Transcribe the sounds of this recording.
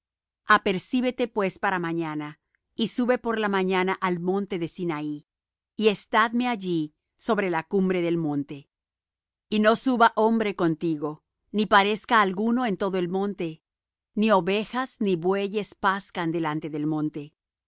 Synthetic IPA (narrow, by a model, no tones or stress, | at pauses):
ape̞ɾsiβe̞t̪e̞pwe̞spaɾamãɲana | isuβe̞po̞ɾlamaɲanaʔalmõ̞nt̪e̞ðe̞sinaiː | e̞st̪aðme̞aʝi | so̞βɾe̞lakumbɾe̞ðe̞lmõ̞nt̪e̞ | ino̞suβaʔo̞mbɾe̞ko̞nt̪iɣo̞ | nipaɾe̞skaːlɣuno̞e̞nt̪o̞ðoe̞lmõ̞nt̪e̞ | nio̞βexazniβwe̞ʝe̞spaskand̪e̞lant̪e̞ðelmõ̞nt̪e̞